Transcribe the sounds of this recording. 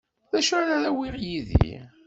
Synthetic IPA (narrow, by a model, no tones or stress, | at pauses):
ðæʃæɾæɾæwiʁjiðḭ